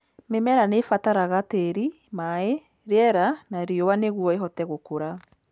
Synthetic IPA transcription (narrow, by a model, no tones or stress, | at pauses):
memɛɾanefataɾaɣateɾi | mae | ɾeɛɾanaɾiɔwaneɣwɔeɦɔtɛɣokoɾa